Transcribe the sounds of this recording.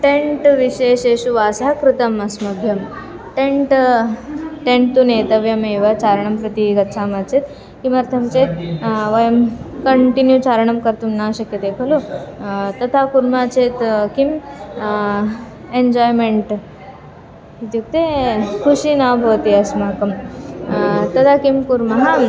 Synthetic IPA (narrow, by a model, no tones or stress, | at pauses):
ʈeɳʈʋiɕeːɕeɕuʋaːsakɾut̪ɐmɐsmɐbʱjɐmʈeɳʈ | ʈẽɳʈ̚t̪ːunet̪əʋjɐmeʋat͡ɕaɾɳɐmpɾɐt̪iɡɐtːt͡sʰamat͡set̪ | kimɐɾt̪ʰɐmt͡ɕet̪̚ʋəjɐmkəɳʈinjut͡ɕaɾɳɐmkəɾt̪umnaɕəkjət̪epʰɐlu | t̪ɐt̪ʰakuɾmat͡ɕet̪kim | end͡ʑɔjmeɳʈ | it̪juk̚t̪ekʰuɕiːnabʱɐʋt̪iɐsmakɐm | t̪ɐt̪ʰakimkuɾmɐɦam